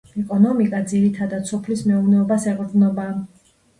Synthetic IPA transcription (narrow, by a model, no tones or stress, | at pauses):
ɛkʼɔnɔmikʼad̪ziɾit̪ʰad̪at̪sʰɔpʰlismɛuvnɛɔbasɛqʼɾd̪nɔbaː